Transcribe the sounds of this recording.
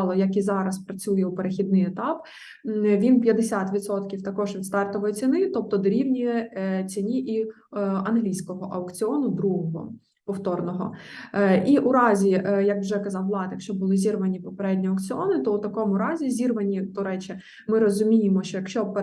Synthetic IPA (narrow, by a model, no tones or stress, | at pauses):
lˠɔjɐkizɑɾɐspɾɐt͡sʲujɛwpeɾexʲid̪̚nɪjɛt̪ɑp̚ | ʋʲinpʲjɐd̪esʲat̪ʋʲid̪sɔt̪kʲiwt̪ɐkɔʒʋʲid̪st̪ɑrt̪ɔʋɔjɛt͡sʲinɪt̪ɔp̚t̪ɔd̪ɔɾʲiwnʲijɛt͡sʲinʲiʔi | ɐnɦlʲijsʲkɔɦɔʔɐwkt͡sʲɪɔnʊd̪ɾuɦɔɦɔ̰ | pɔwt̪ɔrnɔɦɔ̰ | ʔiʔuɾɑzʲijɐkwʒɛkɐzɑwlˠɑd̪jɐkʃt͡ʃɔbʊlˠɪzʲirʋɐnʲipɔpeɾɛdʲnʲiɐwkt͡sʲɪɔnɪt̪ɔut̪ɐkɔmʊɾɑzʲizʲirʋɐnʲid̪ɔɾɛt͡ʃɛ | mɪɾɔzʊmʲijemɔʃt͡ʃɔjɐkʃt͡ʃɔp